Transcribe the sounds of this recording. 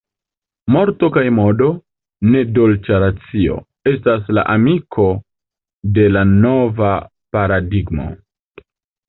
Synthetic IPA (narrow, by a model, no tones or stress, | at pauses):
mo̞ɾto̞kajmo̞do̞ | ne̞do̞lt͡ʃaɾat͡sio̞̰ | e̞stasla̰ʔamikʰo̞ | de̞lano̞va | paɾadiɡmo̞̰